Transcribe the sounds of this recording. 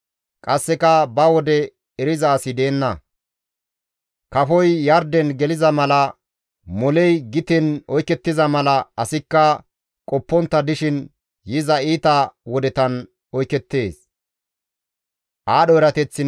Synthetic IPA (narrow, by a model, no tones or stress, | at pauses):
kʼɐsːɛkɐbɐwɔd̪ɛ | ɛɾɪzaːsɪd̪e̞ːnːɐ | kɐfɔjːɐɾd̪ɛnɡɛlɪzɐmɐlɐ | mɔlɛjɡɪt̪ɛnɔjkːɛt̪ːɪzɐmɐlɐɐsɪkːɐ | kʼɔpːɔnt̪ːɐd̪ɪʃɪn | jɪzɐiːt̪ɐwɔd̪ɛt̪ɐn | ɔjkːɛt̪ːe̞ːs | ʔaːɗɔɛɾɐt̪ɛt͡sːɪ